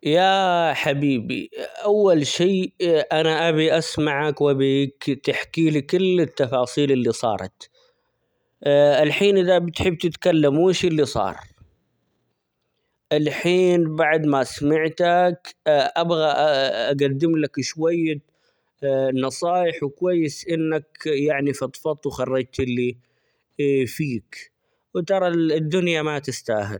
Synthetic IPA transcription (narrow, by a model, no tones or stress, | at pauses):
jaħabiːbḭʔawːalʃiːʔanaʔabiʔasmaʕakwʔabikt̪ɪħkiːlikɪlːɪt̪ːɑfɑːsˤiːlɪlːisˤɑ̰ːɾˤɑ̰t̪ | ɪlħiːnʔɪðabɪt̪ħɪbːt̪ɪt̪kalːamɪʃʔɪlːisˤɑ̰ːɾˤ | ʔɪlħiːnbaʕd̪masamaʕt̪akʔabɣaʔaɡad̪ːɪmlakʃwajːa | nɑsˤɑːjɪħwɪkwajːɪsʔɪnːakjaʕnifɑt̪ˤfɑt̪ˤwxɑrˤːɑd͡ʒt̪ʔɪlːi | fiːk | wɪt̪ɑɾˤɑd̪ːʊnjamat̪ɪst̪aːɦɪ̰l